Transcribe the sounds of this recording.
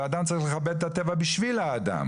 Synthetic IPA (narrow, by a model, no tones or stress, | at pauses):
ad̪amt͡saɐʁiχleχabed̪̚t̪atevabiʃvilaːda̰m